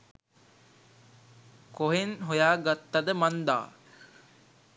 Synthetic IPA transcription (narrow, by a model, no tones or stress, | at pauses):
koɦenɦojaːɡat̪ːad̪əmand̪a̰ː